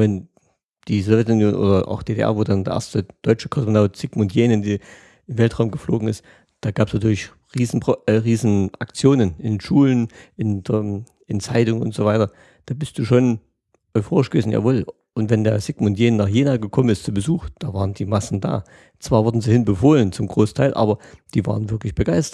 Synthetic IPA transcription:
vɛn | d̥iːzovjɛtʊnjoːnʔo̰ːdɐʔa̰ʊxd̥eːdḛʔɛ̰ɐvoːdandḛːɐʔḛɐstəd̥ɔʏt͡ʃəkʰɔsmonaʊtz̥ɪɡmʊntjeːnɪndiː | ʔɪmvɛltʁ̥aʊmɡəfloːɡŋ̩ɪst | d̥aːɡaːpsnatʰyːɐlɪç | ʁiːzn̩bɛʁiːzn̩ʔakt͡sjoːnənʔɪnʃuːlənʔɪnd | ɪnt͡saɪtʊŋənʊ̰ntz̥oːvaɪtɐ | d̥aːbɪst̚d̥uːʃoːn | ʔɔʏfoːʁɪʃɡəveːzn̩ja̰ːvɔːl | ʔʊntv̥ɛndeːɐzɪɡ̥mʊntjeːnnaːχjeːnaɡəkʰɔmənɪstt͡subəzuːxd̥aːvaːʁəndiːmasn̩da̰ː | t͡sv̥aːɐvʊɐdn̩ziːhɪnbəfoːlənt͡sʊmɡʁoːsn̩tʰaɪlʔa̰ːbɐd̥iːva̰ːʁənvɪɐklɪçb̥əɡ̥aɪstɐt

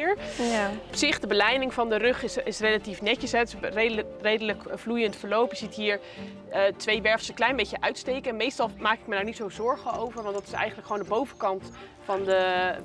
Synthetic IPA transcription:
ɹ | ɔpsɪχdəbəlɛjnɪŋvɑndərøχɪsɪsrelatifnɛcəsɦɛtrerejdələkvlujəntfəɹlowpjəzitɦiːɹ | ətʋejʋɛɹfsəklɛjnbejcəʔœɥtstejkənmejstɑlˠmaːkɪkmədaːɹnitsowzɔɹχəowvəɹʋɑntdɑtɪ̥sɛ̰jχəntləkχʋoːndəbowvəkɑnt | fɑndə

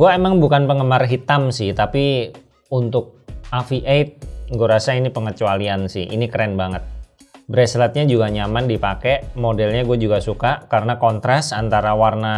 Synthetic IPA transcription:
ɡuaemaŋbukanpəŋəmarɦit̪amsɪht̪api | unt̪ʊk̚afiʔejt̪̚ɡuaɾasainipəŋət͡ʃualiansɪ̰hḭnikəɾɛnbaŋət̪̚ | bɾɛslat̪̚ɲad͡ʒuɡaɲamandipakɛmodɛlɲaɡuad͡ʒuɡasukakaɾənakɔnt̪ɾasant̪aɾawarna

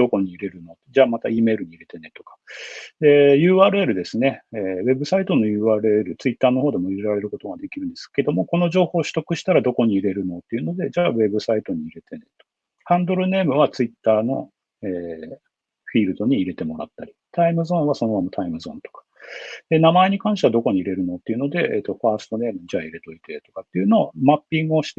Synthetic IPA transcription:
d̪̥o̞ko̞ɲ̟iiɾe̞ɾɯ̟no̞t̪d͡ʑaːmat̪aiːme̞ːɾɯ̟ɲ̟iiɾe̞t̪e̞ne̞t̪o̞̥kḁejɯ̟ːaːɾɯ̟e̞ɾɯ̟d̪e̞sɨne̞eβe̞bɯ̟sait̪o̞no̞jɯ̟ːaːɾɯ̟e̞ɾɯ̟t͡sɨit̪ːaːno̞ho̞ːd̪e̞moiɾeɾaɾe̞ɾɯ̟ko̞t̪o̞ɡad̪e̞kʲiɾɯ̟nd̪e̞sɨ̥ke̞d̪o̞mo̞ko̞no̞ʑo̞ːho̞ːɕɨ̥t̪o̞kɯ̟ɕi̥t̪aɾad̪o̞ko̞ɲ̟iːɾe̞ɾɯ̟no̞t̪ːe̞iɯ̟no̞d̪e̞d͡ʑaːβe̞bɯ̟sait̪o̞ɲ̟iːɾe̞t̪e̞ne̞t̪o̥ | hãnd̪o̞ɾɯ̟ne̞ːmɯ̟βat͡sɨit̪ːaːno̞̰ | eː | ɸʲiːɾɯ̟d̪o̞ɲ̟iːɾe̞t̪e̞mo̞ɾa̰t̪ːaɾʲit̪aimɯ̟zõ̞ɰ̃βaso̞noβamot̪ʰaimɯ̟zõ̞nt̪o̥kḁd̪e̞namae̞ɲ̟ikãɕit̪aβad̪oko̞ɲ̟iɾe̞ɾɯ̟no̞t̪ːe̞iɯ̟no̞d̪e̞ʔḛːt̪ːo̞ɸaːsɨ̥t̪o̞ne̞ːmɯ̟d͡ʑaːiɾe̞t̪o̞it̪e̞t̪o̞kat̪ːeiɯ̟no̞ːmapʲːĩŋɡɯ̟o̞ɕi̥t̪e

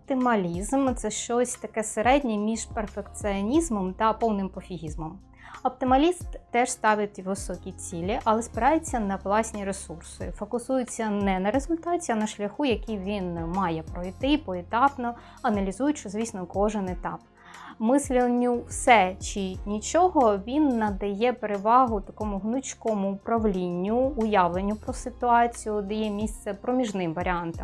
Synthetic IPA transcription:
ɔp̚t̪ɪmɐlʲizmt̪sɛʃt͡ʃɔsʲt̪ɐkɛseɾɛdʲnʲimʲiʒperfekt̪sɪɔnʲizmɔmt̪ɐpɔwnɪmpɔfʲiɦʲizmɔm | ɔp̚t̪ɪmɐlʲist̪t̪ɛʒst̪ɑʋʲɪt̪ʲiʋɪsɔkʲit͡sʲilʲiʔɐlˠɛspɪɾɑjɪt͡sʲːɐnɐʋlˠɑsʲnʲiɾesursɪ̰fɔkʊsujʊt͡sʲːɐnɛnɐɾezʊlʲt̪ɑtʲiɐnɐʃlʲɐxujɐkʲijʋʲinmɑjɛpɾɔjt̪ɪpɔet̪ɑpnɔ | ɐnɐlʲizujʊtʲʃt͡ʃɔzʲʋʲisnɔkɔʒɪnet̪ɑp | mɪslʲinʲːʊwsɛt͡ʃɪnʲit͡ʃɔɦɔʋʲinːɐd̪ɐjɛpeɾeʋɑɦʊt̪ɐkɔmʊɦnʊt͡ʃʲkɔmʊːpɾɐʋlʲinʲːʊːjɑʋlˠenʲːʊpɾɔsɪt̪ʊɑt͡sʲijʊd̪ɪjɛmʲist̪sɛpɾɔmʲiʒnɪmʋɐɾʲɪɑnt̪ɐm

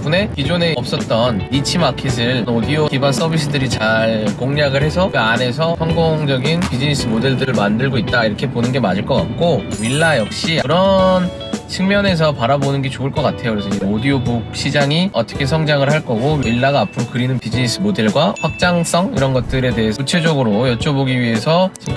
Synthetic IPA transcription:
p͈une̞kid͡ʑone̞ʌp̚s͈ʌt̚t͈ʌnːit͡ɕʰimakʰes̬ʰɯɭodiokibans͈ʰʌbis̬͈ʰɯdɯɾit͡ɕaɭkoŋɲaɡɯɭhe̞sʰʌɡane̞s̬ʰʌsʰʌŋɡoŋd͡ʑʌɡinpid͡ʑinis͈ʰɯmode̞ɭdɯɾɯɭmandɯɭɡoit̚t͈aiɾʌkʰe̞ponɯnɡe̞mad͡ʑɯɭk͈ʌk͈a̰k̚k͈omiɭːajʌk̚ɕ͈iɯɾʌn | t͡ɕʰiŋmjʌne̞s̬ʰʌpaɾabonɯnɡe̞t͡ɕoɯɭk͈ʌk͈atʰe̞joɾʌsʰʌiodiobok̚ɕ͈ʰid͡ʑaŋiʌt͈ʌkʰe̞sʰʌŋd͡ʑaŋɯɭhaɭk͈ʌɡomiɭːaɡaːpʰɯɾokɯɾinɯnpid͡ʑinis͈ʰɯmode̞ɭɡwaɸwak̚t͡ɕ͈aŋs͈ʌŋḭɾʌnɡʌt̚t͈ɯɾe̞te̞ɦesʰut͡ɕʰed͡ʑʌɡɯɾojʌt͡ɕ͈oboɡiɥiɦe̞sʰʌt͡ɕi

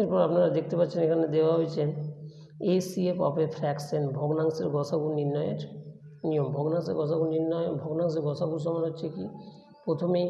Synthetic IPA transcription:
eɾpɔɾapnaɾad̪ek̚ʰt̪epatːɕʰenekʰaned̪ebaɦojt͡ɕʰen | esiepɔ̰pefʰɾɛksenbʱoɡnaŋseɾɡɔsʰaɡuɾniɾnːɔjeɾ | nijombʱoɡnaŋsḛɾɡɔsʰaɡuɾniɾnːɔbʱoɡnaŋs̬eɾɡɔsʰaɡuɾʃ̬ɔmanɦotːɕʰeki | pɾot̪ʰomej

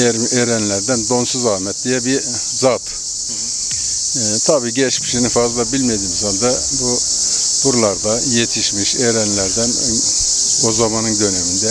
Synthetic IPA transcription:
eɾmeɾænlʲæɾd̪ænd̪o̞nsuzaːhmɛt̪̚d̪ijɛbi | zat̪ | t̪ʰabiːɟɛt͡ʃmi̥ʃinifazlˠabilʲmed̪iːmzand̪ɛ | bub̥uɾlˠaɾd̪ajet̪ʰiʃmiʃeɾænlʲæɾd̪æn | ozamanɯnd̪ø̞nemind̪ɛ

